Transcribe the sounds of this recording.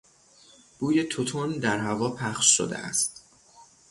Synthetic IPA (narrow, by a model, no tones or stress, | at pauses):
b̥uːjet̪ʰot̪ʰond̪æɾɦævɒːpʰæχʃʃo̰d̪ḛʔæ̰st̪̚